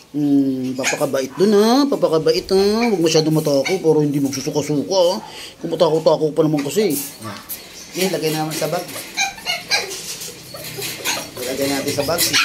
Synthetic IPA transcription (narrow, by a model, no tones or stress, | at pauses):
papɐkɐbaʔɪt̪̚d̪ʊnapapɐkɐbɐʔɪt̪awɐɡ̚mɐʃaːd̪oŋmɐt̪aːkopɛɾohɪnd̪imɐɡ̚susukɐsuːkakʊmɐt̪aːkowt̪aːkopɐnɐmaŋkɐsi | jɛnlɐɡajnɐɐmansɐbaŋk | kɐlaɡajnaːt̪ɪnsɐbaŋkɪ